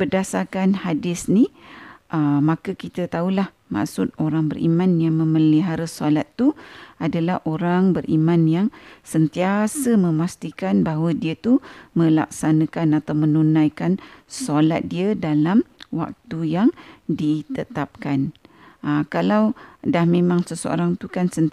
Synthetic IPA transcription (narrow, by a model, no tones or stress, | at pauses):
b̥ərdasarkanhadɪsniʔəmakəkit̪ət̪aulah | ma̰ksʊt̪̚oɾaŋbərʔḭmãnjaŋmə̃məliɦaɾəsalat̪ːuadalahʔoɾaŋbərʔimãnjaŋsənt̪iasəmə̃mast̪ikanbaɦwədiət̪umə̃la̰k̚sanakanat̪awmənunãjkansola̰t̪̚diədalamwa̰k̚t̪ujaŋdit̪ət̪ap̚kan | əkalawdahmẽmãŋsəsəo̰ɾaŋt̪ukansənt̪